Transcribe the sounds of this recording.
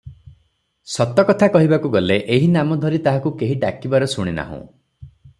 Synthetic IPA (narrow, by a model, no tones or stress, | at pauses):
sɔt̪ɔkɔt̪ʰakɔɦibakuɡɔleʔeɦinamɔd̪ʱɔɾit̪aɦakukeɦiʈakibaɾɔsuɽ̃ina̰ɦṵ̃